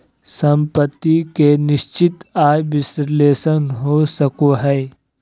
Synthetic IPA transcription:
sə̃mpət̪ːikenɪʃt͡ʃɪt̪aːjbɪsɾleːsənɦosəkoɦɛː

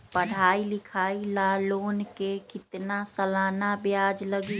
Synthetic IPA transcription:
pəɽ̤aːilɪkʰaːilaloːnkekɪt̪nasəlaːnabjaːd͡ʒləɡi

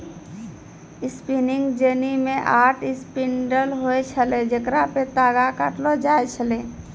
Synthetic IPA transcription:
ɪspinɪ̃ŋɡd͡ʒeːnimẽʔaːʈʰɪspɪɳɖəlɦoet͡ʃʰəled͡ʒəkɾapet̪aːɡakaʈlod͡ʒaːet͡ʃʰəle

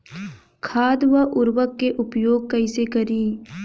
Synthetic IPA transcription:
kʰaːd̪ʋəʔʊɾwəkːeʔʊpjoːɡ̚kɐɪsekɐɾiː

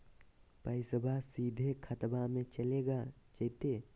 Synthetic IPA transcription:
pəɪsəbʱasiːd̪ʱekʰət̪bamẽt͡ʃəleɡa | t͡ʃəɦt̪e

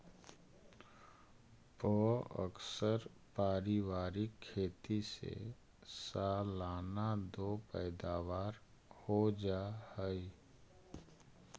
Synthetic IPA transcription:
pɔə̰ksəɾ | paːɾiʋaːɾɪkʰːeːt̪isḛ | saːlaːnad̪oːpɛːd̪aːʋaːɾ | hod͡ʒahəi

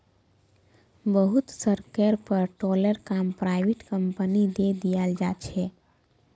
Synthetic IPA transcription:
bəɦut̪səɾkəɾpəɾʈɔləɾkaːmpɾaːɪʋeʈkə̃mpənid̪ed̪ijald͡ʒat͡ʃʰɛ

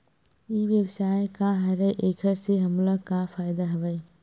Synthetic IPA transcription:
iːʋjɐʋsaːekãɦɐɾəʔeːkʰəɾseɦɐmləkãfaːɪd̪aɦɐʋəi

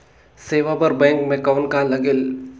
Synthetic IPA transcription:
seːʋapɐɾbɛ̃ːŋkmẽkɐʋənkalɐɡel

